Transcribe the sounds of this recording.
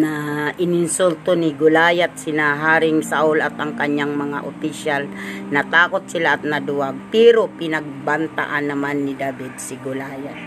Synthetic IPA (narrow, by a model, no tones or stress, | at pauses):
naʔɪnɪnsult̪onɪɡʊlaːjat̪̚sɪnaɦaːɾɪŋsaʔʊlat̪ɐŋkaɲjaŋmɐŋa̰ʔopɪʃalnɐt̪aːkot̪̚sɪlaʔːt̪̚nɐd̪ʊaɡ̚pɛːɾopɪnɐɡ̚bant̪a̰ʔanːɐmanːɪd̪abɪd̪̚sɪɡʊlaːjat̪̚